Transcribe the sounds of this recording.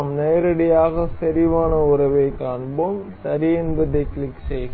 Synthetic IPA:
mnɐjɐɾɐɽijaːɣɐsɐɾiʋaːɳɐurɐʋeːkːaːnbomsɐɾijenbɐd̪eklikseː

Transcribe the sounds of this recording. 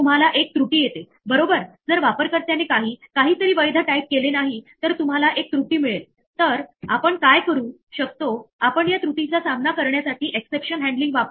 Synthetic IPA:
um̤alaʔek̚t̪ɾuʈiːjet̪e | bəɾobəɾd͡zəɾʋapəɾkəɾt̪janekaɦiːkaɦiːt̪əɾiːʋəjd̪ʱaʈaip̪̚kelenaɦit̪əɾt̪um̤alaʔek̚t̪ɾuʈiːmiɭel | t̪əɾapəɳkajkəɾuː | ɕək̚t̪oapəɳjat̪ɾuʈit͡ɕasamnakəɾɳjasaʈiːʔeksepɕənɦɛ̃ɳɖliŋɡʋap

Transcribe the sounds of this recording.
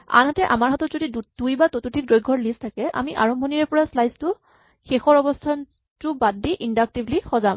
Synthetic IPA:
a̰nɦatɛʔa̰maɹɦatɔtzodidudujbatotutʰik̚dojɡʱɔɹlistʰakɛʔa̰miʔaɹɔmbʱoniɛɹpɔɹaslajstʊ | xexɔɹɔbɔstʰan | tʊbadːiʔindak̚tiblixɔzam

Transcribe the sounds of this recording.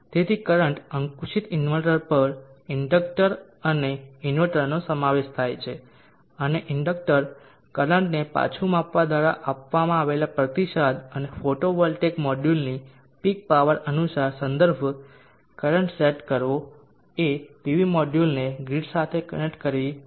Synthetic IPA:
t̪et̪ʰikəɾəɳʈəŋkuʃit̪ɪnʋəɭʈəɾpəɾɪɳɖək̚ʈəɾ | əneɪnʋəɭʈəɾnosəmaʋeʃt̪ʰajt͡ʃʰe | əneʔɪɳɖək̚ʈəɾ | kələɳʈnepa̰t͡ʃʰumapʋad̪ʋaɾa̰ʔapʋamãaʋelapɾət̪iʃad̪ənefoʈoʋɔlʈekmɔɖjulni | pik̚paʋəɾənusaɾsə̃nd̪əɾbʱ | kəɾəɳʈseʈkəɾʋo | eʈiʋimɔɖjulneɡɾiɖsat̪ʰekənek̚ʈkəɾi

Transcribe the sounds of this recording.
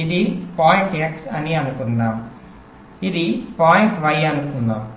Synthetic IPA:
id̪ipaːjiɳʈeksɐniɐnukunːaːm | id̪ipaːjiɳʈʋɐjɐnukunːaːm

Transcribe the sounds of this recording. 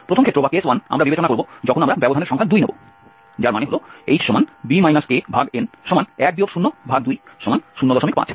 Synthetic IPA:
pɾotʰomkʰet̪ːɾobakeeswana̰mɾabibet͡ɕonakoɾbod͡ʑɔkʰonamɾabɛbod̪ʱaneɾʃɔŋkʰad̪ujnebo̰ | d͡ʑaɾmaneɦoloejʃomanb̪imajnaskebʱaɡenʃɔmanɛk̚d̪iokʃunːobʱaɡ̚d̪ujʃɔmanʃunːod̪ɔʃomik̚pa̰t͡ɕʰ

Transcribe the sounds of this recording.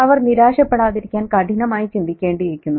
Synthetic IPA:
ɐʋɐrniɾaːʂɐpːeɽaːðiɾikʲːaːnkɐʈinɐmaːjit͡ɕind̪ikʲːeːɳɖijekʲːunːu

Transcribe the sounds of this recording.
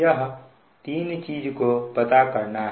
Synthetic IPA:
əɦ | t̪iːnt͡ʃiːd͡ʒkopət̪akəɾnaɦ

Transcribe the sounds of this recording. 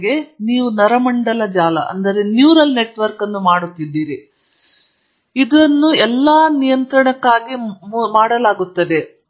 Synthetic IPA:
ɡe̞niːʋunɐɾɐmɐɳɖɐlɐd͡ʒaːlɐ̰ʔɐ̰nd̪ɐɾe̞njuːɾɐlne̞ʈʋɐɾkɐnːumaːɽut̪ːid̪ːiːɾi | id̪ɐnːuɛlːaːnijɐnt̪ɾɐɳɐkːaːɡimmaːɽɐlaːɡut̪ːɐd̪e̞

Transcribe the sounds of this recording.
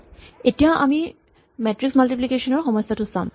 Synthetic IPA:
etijãʔa̰mi | mɛtɹiksmaltiplikesɔnɔɹxɔmɔjsːatʊsã

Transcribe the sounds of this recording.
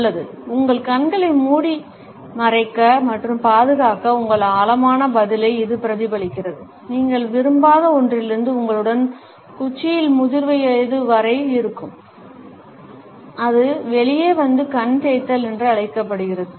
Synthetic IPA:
lːɐðɯ | ʊŋɡɐɭkɐnɡɐɭɪlmuːɽi | nɐrɐɪkːɐmɐʈrɯmpaːðɯɣaːkɐʊŋɡɐɭaːlɐmaːnɐbɐðɪlɐɪɪðɯpɪɾɐðɪbɐɭɪkːɪrɐðɯ | niːŋɡɐɭʋɪɾɯmbaːɣɐɔndrɪlɪɾɯnd̪ɯʊŋɡɐɭɯɽɐn | kʊt͡ʃːɪjɪlmʊðɪɾʋɐjɐðɯʋɐɾɐɪɪɾɯkːɯm | ɐðɯʋɛɭɪjeːʋɐnd̪ɯkɐnt̪eːt̪ːɐlɛndrɯɐɭɐɪkːɐpːɐɽɯɣɪrɐðɯ

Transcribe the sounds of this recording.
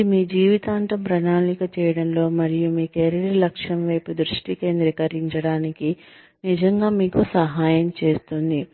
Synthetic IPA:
imiːd͡ʒiːʋit̪aːnt̪ɐmpɾɐnaːlikɐt͡ʃɛːjɐɽɐnlo̞ːmɐɾijumiːkeɾɐɽilɐkʂɐmʋɐjpud̪ɾuʂʈike̞ːnd̪ɾikɐɾiɲt͡ʃɐɽaːniki | nid͡ʒɐŋɡaːmiːkusɐɦaːjɐmt͡ʃe̞ːst̪und̪i

